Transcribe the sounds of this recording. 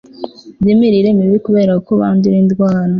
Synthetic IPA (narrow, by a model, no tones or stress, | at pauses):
dimiɾiɾe̞miβikuβe̞ːɾakakoβa̰ːndiɾindɡwaːɾa